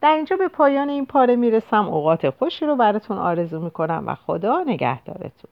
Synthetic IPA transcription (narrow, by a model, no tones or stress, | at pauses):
d̪̥æɾind͡ʒɒːbe̞pʰɒːjɒːneiːnpʰɒːɾe̞miːɾe̞sæmoɣɒːt̪ʰexo̞ʃiːɾobæɾɒːt̪ʰunɒ̰ːɾe̞zuːmiːkʰo̞næmvæ̰xo̞d̪ɒːne̞ɡæ̰hd̪̥ɒ̰ːɾe̞̰t̪ʰun